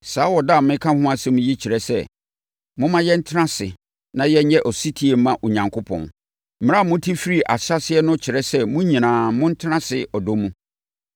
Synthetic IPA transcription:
saː˨˦wɔ˨da˦˨mɪ̃˦kʰã˦hʊ̃˦a˦sɛ˦mũ˦ji˦t͡ɕʰɪ˨ɾɛ˦sɛ˦ | mʊ̃˦mã˦jɛ˦n̩˦tʰɪ˦ã˦sɪ˨ | nã˨jɛ˦ɲ˦ɲɛ˦ʔɔ˨si˦tʰi˦e˨m̩˦mã˦ʔo˨ɲã˨ŋkʰo˦pʰɔ̰̃˨n | m̩˦m̃˦a˦˨mʊ̃˦tʰi˦fi˦ɾi˦ʔa˨ɕa˦sɪ˦ɛ˦nʊ̃˦t͡ɕʰɪ˨ɾɛ˦sɛ˦mʊ̃˦ɲĩ˨nãː˨mʊ̃˦n̩˦tʰnã˦sɪ˨ɔ˨do˦mũ˦

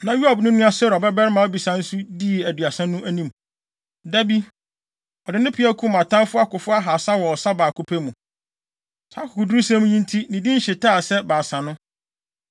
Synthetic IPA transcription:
nã˨ju˦a˨bnʊ̃˦nʊ̃˦a˦sɛ˦ɾɔ˨bɛ˦bɛ˦ɾɪ˦mã˨ɔ˦bi˨sã˨n̩˦su˦di˦˨æ˨dɥa˨sɛ̃˦nũ˦ʔæ˦nĩ˦m | dæ˦bi˦ | ɔ˨dɪ˨nʊ̃˦pʰɪ˨˦æ˦kʰu˦mã˨tʰã˦nfʊ˦a˦kʊ˨fʊ˦a˦ɦa˨sa˦wɔ˨ɔ˨sa˦baː˨kʰʊ˦pʰe˦mũ˨ | sʰaː˨˦kʰʊ˨kʰʊ˨du˦u˦sæ̃˦mũ˦ɲĩ˦ntʰi˦nĩ˨dĩ˦n̩˦ɕɪ˨tʰaː˦˨sɛ˦baː˨sã˨nʊ̃˦

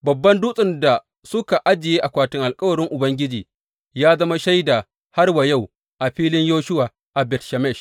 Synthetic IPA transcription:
bɐ˨bːɐ˦ndu˦sʼɪ˨nda˨ | sʊ˦ka˨ʔa˦d͡ʒɪ˨jeː˦ʔa˨kʷaː˨tɪ˦ŋʔa˨lkʼɐ˦wɐ˨ɾɪ˦ŋʔʊ˨bɐ˦ŋɡʲɪ˦d͡ʒiː˨ | jaː˦zɐ˦ma˦ʃa˦jda˨ | ha˦rwa˨ja˦˨w | ʔa˨ɸiː˦lɪ˦ɲjoː˦ʃʊ˦waː˨ | ʔa˨bɛ˨tʃa˨mɛ˦˨ʃ

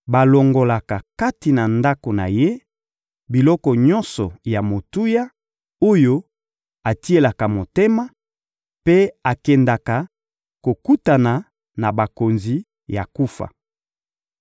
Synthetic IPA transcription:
ba˨lo˨ŋɡo˨la˨ka˨ka˦ti˨na˨nda˦ko˨na̰˨je˦ | bi˨lɔ˦kɔ˨ɲɔ̃˦nsɔ˨ja˨mo˨tu˦ja˦ | o˦jo˦ | a˨ti˦e˨la˨ka˨mo˨te˦ma˦ | pe˦a˨kɛ˨nda˨ka˨ | ko˨ku˦ta˨na˨ | na˨ba˨ko˨nzi˨ | ja̰˨ku˦fa̰˨

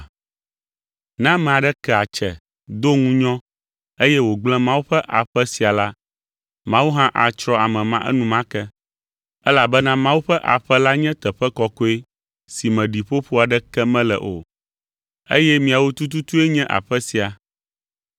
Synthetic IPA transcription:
nã˦mɛ̃˨a˨ɖɛ˦kɛ˦˨a˨t͡ʃɛ˨ | d̪o˦ŋũ˦ɲɔ̃˦ | e˦jɛ˦wo˨ɡ͡blɛ̃˦mã˦wu˦ɸɛ˦ʔa˨ɸɛ˦si˨a˨la˦ | mã˦wu˦ɦã˦ʔa˨t͡ʃɾɔ˦a˨mɛ̃˨mã˦ʔɛ̰˦nũ˦mã˦kɛ˦ | ɛ˦la˨bɛ˦nã˦mã˦wu˦ɸɛ˦ʔa̰˨ɸɛ˦la˦ɲɛ̃˦t̪ɛ˨ɸɛ˦kɔ˦ko˦e˦ | si˨mɛ̃˨ɖi˨ɸo˦ɸo˦a˨ɖɛ˦kɛ˦mɛ̃˦lɛ̰˨ʔo̰˨ | ḛ˦jɛ˦mĩ˨a˨wo˦t̪u˦t̪̬u˦t̪u˦e˦ɲɛ̃˦ʔa̰˨ɸɛ˦si˨a˨

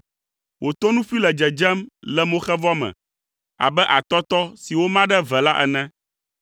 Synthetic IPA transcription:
wʔo˨t̪o˦nũ˦fi˦lɛ˨d͡ʒɛ˨d͡ʒɛ˦mlɛ˨mõ˦xɛ˦vɔ˦mɛ̰̃˨ | a̰˨bɛ˦ʔa˨t̪ɔ˦t̪ɔ˦si˨wo˦mã˦ɖɛ˦vɛ˨la˦ʔɛ̰˨nɛ̃˦

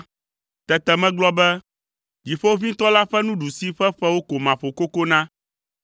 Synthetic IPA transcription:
t̪ɛ˨t̪ɛ˨mɛ̃˦ɡ͡blɔ˦bɛ˦ | d͡ʑi˨ɸo˦wo˦vĩ˦t̪ɔ˦la˦ɸɛ˦nũ˦ɖu˨si˦ɸɛ˦ɸɛ˦wo˦ko˨mã˨ɸo˨ko˦ko˦nã˦

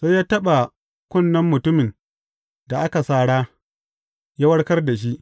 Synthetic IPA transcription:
sa˦jaː˦tɐ˦ɓa˨ | kʷʊ˦˨nːɐ˦mːʊ˨tʊ˦mɪ˨n | da˨ʔa˦ka˨saː˦˨ɽaː˦ | ja˦wɐ˦ɽkɐ˦rda˨ʃ̬i˦ʔ

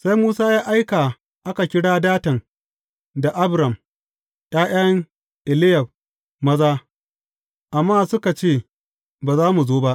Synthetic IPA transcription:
sa˦jmuː˦saː˦jaː˦ʔa˦jka˨ | ʔa˦ka˨kʲɪ˦ɽaː˦daː˦tɐ˨ŋ | da˨ʔa˦bɾɐ˨m | j̰aː˦j̰ɐ˦ŋ | ʔɪ˨lɪ˦jɐ˨b̚ | mɐ˦zaː˦ | ʔa˨mːaː˦sʊ˦ka˨t͡ʃeː˦˨ | baː˨zaː˦mu˨zoː˦ba˦ʔ

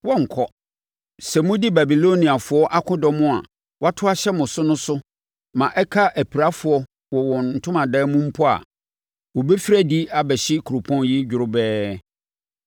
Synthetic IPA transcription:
wɔ̃˦ŋ̩˨kʰɔ˨ | sɛ˨mʊ̃˦di˦ba˨bi˨lo˦nĩ˨a˨fʊ˨˦ɔ˦ʔa˦kʰʊ̃˦dɔ˨mʊ̃˦a̰˨ | wa˦tʰʊ˦a˦ɕɛ˦mʊ̃˨sʊ˦nʊ̃˦sʊ˦ | mã˨ʔɛ˦kʰa˦ʔæ˨pʰi˨ɾa˦fʊ˨ɔ˦ | wɔ˨wɔ̃˨n̩˨tʰʊ̃˦mã˨dɛː˦mʊ̃˦m̩˦pʰɔ˦a̰˨ | wɔ˨bɛ˦fi˦ɾæ˦di˦a˨bɛ˨ɕɪ˦kʰu˨ɾʊ˨pʰɔ̃˦nji˦d͡ʑᶣɪ˨ɾʊ˦bɛː˦

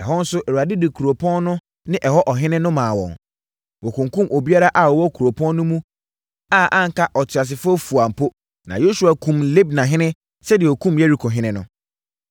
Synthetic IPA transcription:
ɛ˨ɦɔ˦n̩˦sʊ˦ʔɛ˨ɾu˨a˨dɪ˦dɪ˨kʰu˨ɾo˨pʰɔ̃˦nnʊ̃˦ | nɪ̃˦ʔɛ˨hɔ˦ʔɔ˨ɦɪ̃˦nɪ̃˦nʊ̃˦mãː˨wɔ̰̃˨ŋ | wɔ˨kʰũ˨ŋkũ˦mʔo˨bi˦a˦ɾa˦ʔa˨wɔ˨wɔ˦kʰu˨ɾo˨pʰɔ̃˦nː˦ʊ̃˦mũ˦ | a˦˨ʔã˦ŋ̩˨kʰa˦ʔɔ˨tʰɥa˨s̬ɪ˨fʊ˦ɔ˦fu˨a˨m̩˨pʰo˦ | nã˨jo˦su˨a˨kʰũ˨mle˦b̚nã˨ɦɪ̃˦nɪ̃˦ | sɛ˦dɪ˨ɔ˨kʰũ˦mje˦ɾi˨˦kʰo˨ɦɪ̃˦nɪ̃˦nʊ̃˦

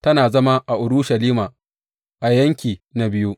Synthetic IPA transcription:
tɐ˦naː˨zɐ˦ma˦ʔa˨ʔʊ˨ɾʊ˦ʃɐ˨liː˦maː˨ | ʔa˨jɐ˦ŋkʲiː˨na˨bɪ˦ju˦ʔ

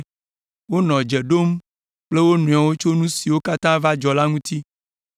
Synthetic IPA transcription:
wo˦nɔ̃˨d͡ʒe˨ɖo˦m | k͡ple˦wo˦nũ˨a˨wo˦t͡ʃo˦nũ˦si˨wo˦ka˦t̪ã˦va˦d͡ʒɔ˨la˦ŋũ˦t̪ʰi˦

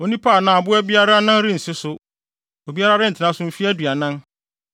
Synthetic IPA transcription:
o˨nĩ˦pʰaː˦˨nã˨a˨bʊ˦ɛ˦bi˦a˦ɾa˦nã˦n˦ɾɪ̃˦n̩˨sɪ˦sʊ˦ | o˨bi˦a˦ɾa˦ɾɪ˦n̩˨tʰɪ˨nã˦sʊ̃˨˦m̩˦fi˦æ˦du˨a˨nã˦n

